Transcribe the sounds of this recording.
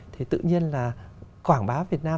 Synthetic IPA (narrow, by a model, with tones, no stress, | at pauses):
t̪ʰi˨˩t̪ɨ̰˧˨ɲi˧ənlaː˨˩kwaː˧˩ŋɓaː˨˦vi˨˩ət̚naː˧